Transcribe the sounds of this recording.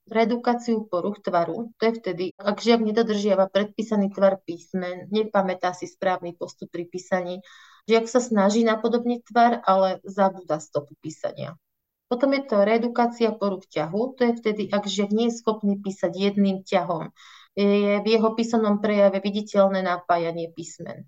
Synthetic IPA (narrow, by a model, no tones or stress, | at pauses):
ɾɛd̪ukaːt͡siupɔɾuxt̪ʋaɾut̪ɔjɛft̪ɛd̪iaɡʒɪaɡɲɛd̪ɔd̪r̩ʒɪaʋapɾɛt̪̚piːsaniːt̪ʋaɾpiːsmɛnɲɛpamɛt̪aːsispɾaːʋnipɔst̪up̚ːɾipiːsaɲiː | ʒɛaksasnaʒiːnapɔd̪ɔbɲit̪ʋaɾʔalɛzabuːd̪ast̪ɔpupiːsa̰ɲɪa̰ | pɔt̪ɔmjɛt̪ɔɾɛd̪ukaːt͡siapɔɾukcaɦut̪ɔjɛft̪ɛd̪iʔaɡʒɪaɡɲɛjɛsxɔpniːpiːsaɟjɛd̪niːmcaɦɔm | jɛjɛvjɛɦɔpiːsɔmnɔmpɾɛjaʋɛʋiɟicɛʎnɛːnapaːjaɲɪɛpiːsmɛ̰n